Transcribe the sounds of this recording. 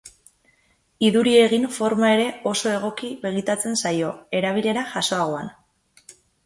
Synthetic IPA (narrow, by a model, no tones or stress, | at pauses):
iðuɾie̞ɣiɱfo̞ɾmae̞ɾe̞o̞so̞e̞ɣ̞o̞kiβe̞ɣ̞it̪at͡se̞nsajo̞e̞ɾaβ̞iʎe̞ɾaʝaso̞aɣ̞o̞an